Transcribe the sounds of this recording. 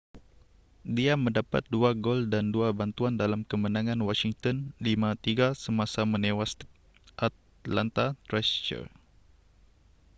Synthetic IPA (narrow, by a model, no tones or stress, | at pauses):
diamə̃ndapa̰t̪̚duaɡɔldanduabant̪uandalamkəmənãŋãnwɔʃiŋt̪ɔnlimãt̪iɡasəmasamə̃nẽwas | ʔat̪ | lant̪at̪ɾɛst͡ʃə̰r